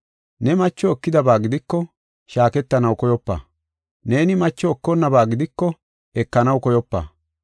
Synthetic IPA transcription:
nɛmɐt͡ʃːɔɔkːɪd̪ɐbaːɡɪd̪ɪkːɔ | ʃaːkɛt̪ːɐnɐwkɔjɔpːa̰ | ne̞ːnɪmɐt͡ʃːɔɔkːɔnːɐbaːɡɪd̪ɪkːɔ | ɛkːɐnɐwkɔjɔpːa̰

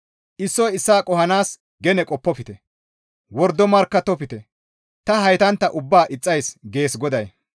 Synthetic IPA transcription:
ʔɪsːɔjɪsːaːkʼɔɦɐnaːs | ɡɛnɛkʼɔpːɔpɪt̪ɛ | wɔɾd̪ɔmɐɾkːɐt̪ːɔpɪt̪ɛ | t̪ɐɦɐjt̪ɐnt̪ːɐʔʊbːaːʔɪt͡sʼːɐjsɡe̞ːsɡɔd̪ɐj

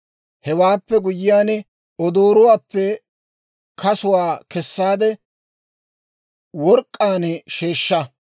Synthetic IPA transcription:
hɛwaːpːɛɡʊjɪjaːn | ɔd̪oːɾʊwaːpːɛ | kʰɐsʊwaːkɛsːaːd̪ɛ | wɔɾkʼːaːnʃeːʃːɐ

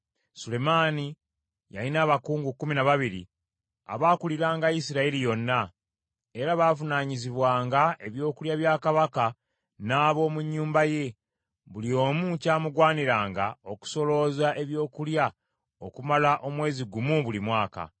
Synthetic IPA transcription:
sule̞maːni | ja̰linaːβakuːŋɡukuminaβaβiɾḭ | a̰βaːkuliɾaːŋɡajisiɾailijo̞nːa | e̞ɾaβaːvunaɲiziβwaːŋɡae̞βjo̞ːkuljaβjaːkaβaka | naːβo̞ːmuɲːuːmbaje̞ | βulio̞ːmucaːmuɡwaːniɾaːŋɡao̞ku̥so̞lo̞zaʔe̞βjo̞ːkulja | okumalaʔo̞mwe̞ːziɡumuβulimwaːka̰

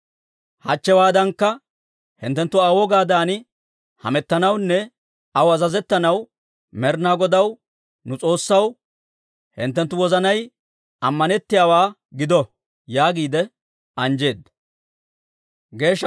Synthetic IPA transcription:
hɐt͡ʃːɛwaːd̪ɐŋkːɐ | hɪ̰nt̪ːɛnt̪ːʊawɔɡaːd̪aːnɪ | hɐ̰mɛt̪ːɐnɐwnːɛ | ɐwɐzɐzɛt̪ːɐnɐw | mɛɾnaːɡɔd̪ɐw | nʊt͡sʼo̞ːsːɐw | hɪ̰nt̪ːɛnt̪ːʊwɔzɐnɐj | ɐmːɐnɛt̪ːɪjaːwaː | ɡɪd̪ɔ | jaːɡiːd̪ɛ | ɐnd͡ʒe̞ːd̪ːɐ | ɡe̞ːʃː

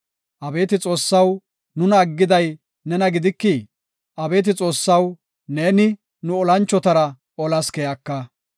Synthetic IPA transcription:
ʔɐbe̞ːt̪ɪt͡sʼo̞ːsːɐw | nʊnɐːɡːɪd̪ɐj | nɛnɐɡɪd̪ɪkːɪ | ʔɐbe̞ːt̪ɪt͡sʼo̞ːsːɐw | neːnɪ | nʊɔlɐnt͡ʃːɔt̪ɐɾɐ | ɔlɐskɛjɐkːɐ

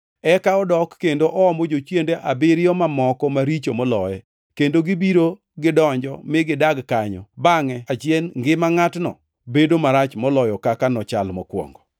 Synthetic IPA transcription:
ɛkaɔdɔkːendoʔɔɔmɔd͡ʒot͡ʃjendeʔabɪɾɪjɔmamɔkɔmaɾit͡ʃomɔlɔjɛ | kendoɡɪbiɾo | ɡɪdɔɲd͡ʒɔmɪɡɪdaɡkaɲɔ̰baŋɛat͡ʃjɛnŋɡɪmaŋatnɔ̰ | bedomaɾat͡ʃmɔlɔjɔkakanɔt͡ʃalmɔkwɔ̰ŋɡɔ

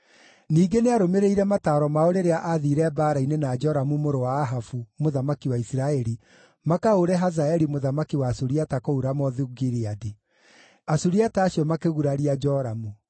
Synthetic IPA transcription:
niːɡeneaɾomeɾeiɾɛmataːɾɔmaoɾeɾeaʔaðiːɾɛbaːɾainenad͡ʒɔɾamumoɾowaːɦafumoðamakiwaisiɾaɛɾi | makaoɾɛɦazaɛɾimoðamakiwaːsoɾiatakouɾamɔðiɡiɾiadi | asuɾiataːɕiɔmakeɣuɾaɾiad͡ʒɔɾamu

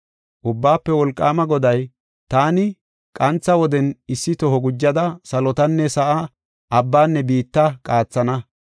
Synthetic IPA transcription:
ʔʊbːaːpːɛwɔlkʼːaːmɐɡɔd̪ɐj | t̪aːnɪ | kʼɐnt͡sːɐwɔd̪ɛnɪsːɪt̪ɔɦɔɡʊd͡ʒːɐd̪ɐsɐlɔt̪ɐnːɛsɐʔa | ʔɐbːaːnːɛbiːt̪ːɐkʼaːt͡sːɐnɐ

